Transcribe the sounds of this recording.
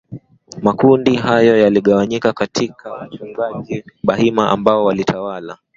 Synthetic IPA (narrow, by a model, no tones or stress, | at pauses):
makundiɦajɔjaliɠawaɲikakatʰikʰawat͡ʃuŋɡaʄiɓahimaʔa̰mbaɔwalitʰawala